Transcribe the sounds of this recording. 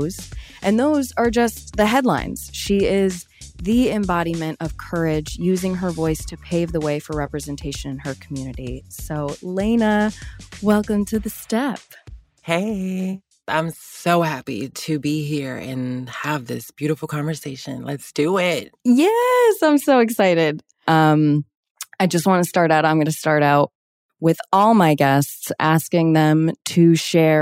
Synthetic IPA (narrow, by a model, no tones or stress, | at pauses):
z̥ʔɨ̃nðoʊzə˞d͡ʒʌsðɨɦɛdˡlã̰ɪ̃nz̥ʃiɪz | ðiɪ̃mbɑɾimɨ̃ñtʌv̥kʰɜ˞ɪd͡ʒjʉzɪ̃ŋə˞vɔɪstʰɨpʰeɪvðəweɪfə˞ɹɛpɹɨzɨ̃ntʰeɪʃɨ̃nɨ̃nə˞kʰm̩jʉnɨɾisoʊlẽɪnəwɛlˠkɨ̃mtʰɨðɨstɛp | heɪ | ʔã̰ɪ̃msoʊhæpḭɾɨbiɦiɹɨ̰̃nəvðɪ̰sb̥jʉɾəfl̩ˠkʰɑ̃ɱvə˞seɪʃɨ̰̃nlɨtsd̥ɨɪt̚jɛsãɪ̃msoʊɨksaɪɾɪd̥ | ʔʌ̃m | aɪd͡ʒʌst̚wɑ̃nɨstɑɹɾaʊɾãɪ̃mɡʌnɨstɑɹɾaʊt̚ | wɪðɔlˠmaɪɡɛstsæskɪ̃ŋðɨ̃mtʰɨʃɛ